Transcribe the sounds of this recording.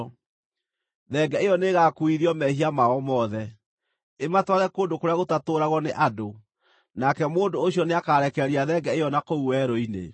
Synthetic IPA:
ðɛɡɛejɔneɣakuiɾiɔmɛhiamaɔmɔːðɛ | ematwaɣɛkoːndokoɾeaɣotatoːɾaɣwɔneʔado | nakɛmoːndoːɕiɔneakaːɾɛkɛɾiaðɛɡɛejɔnakouwɛɾoinḛ

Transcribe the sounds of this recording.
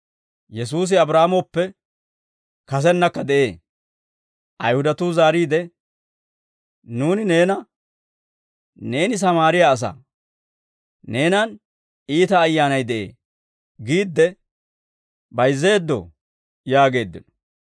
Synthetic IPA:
jɛs̬uːs̬ɪɐbɾaːmɔpːɛ | kɐs̬ɛnːɐkːɐd̪ɛʔe̞ː | ʔɐjhʊd̪ɐt̪uzaːɾiːd̪ɛ | nuːnɪne̞ːnɐ | ne̞ːnɪs̬ɐmaːɾɪjaːs̬a̰ | ne̞ːnɐn | iːt̪ɐːjːaːnɐjd̪ɛʔḛː | ɡiːd̪ːɛ | bɐjzːe̞ːd̪ːɔ̰ | jaːɡe̞ːd̪ːɪ̰nɔ

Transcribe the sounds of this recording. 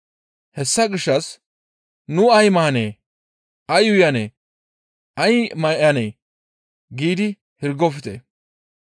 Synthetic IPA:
hɛsːɐɡɪʃːɐs | nʊɐjmɐɐneː | ɐjʊjɐnḛː | ɐjmɐʔɐneː | ɡiːd̪ɪ | hɪɾɡɔfɪt̪ḛː

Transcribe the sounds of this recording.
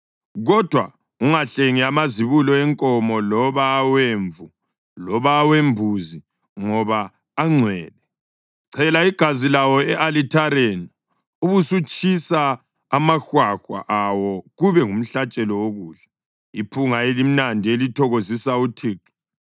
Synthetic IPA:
ɣɔd̥ʱwa̰ | uŋaɬeŋiamaziβulɔɛŋkʼɔmɔlɔβaːweːɱvu | lɔβaːweɱbʱuzi | ŋɔβaː | ŋ͡ǀʱwɛːlɛ | ǀʰɛlaiɡ̥ʱazilawɔɛʔalitʰaɾeni | uβusut͡ʃʼisa | amaxwaxwa̰ʔawɔɣuβɛŋum̩ɬat͡ʃʼɛlɔwoɣuːɮa | ipʰuŋaelim̩nandʱielitʰɔɣozisautʰiːǁɔ̥

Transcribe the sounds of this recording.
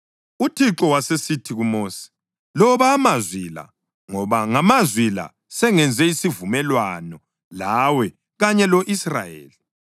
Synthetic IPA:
utʰiǁɔwasesitʰiɣumoːsi̥ | lɔβaːmazwila̰ | ŋɔβaŋamazwila̰ | sɛŋɛnd͡zʱɛisivumɛlwanɔ | lawɛ | ɣaɲɛloʔisra̰jḛːli

